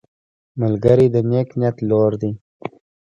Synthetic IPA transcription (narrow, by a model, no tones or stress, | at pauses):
məlɡəɾid̪əneːknjat̪loːɾd̪i